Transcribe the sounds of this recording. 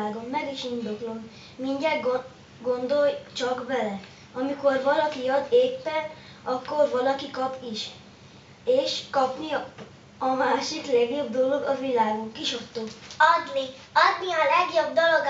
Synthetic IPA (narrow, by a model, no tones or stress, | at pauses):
ɡommɛɡiʃind̪o̞klom | miɲɟɛ | ɡo̞nd̪o̞jt͡ʃɒkbɛlɛ | ɒmiko̞rvɒlɒkiɒd̪eːpːɛn | ɒkːorvɒlɒkikɒpiʃ | eːʃkɒpni | ɒmaːʃiklɛɡjobd̪o̞lo̞ɡɒvilaːɡukiʃot̪ːoːɒd̪ni | ɒd̪niɒlɛɡjob̚d̪olo̞ɡ